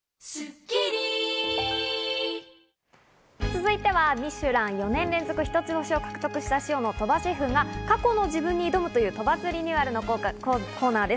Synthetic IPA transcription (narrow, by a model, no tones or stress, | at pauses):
s | t͡sɨzɨit̪e̞βamʲiɕɨɾãɰ̃jo̞nẽ̞nɾẽ̞nzo̞kɯ̟çʲi̥t̪o̞t͡sɨoɕio̞kḁkɯ̟t̪o̞kɯ̟ɕi̥t̪aɕio̞no̞t̪o̞baɕiɸɯ̟ŋɡakako̞no̞d͡ʑibɯ̟̃ɲ̟ːiːd̪o̞mɯ̟t̪o̞jɯ̟ːt̪o̞bat͡sɨɾʲiɲ̟iβaɾɯ̟no̞kʰo̞ːnaːd̪e̞sɨ̥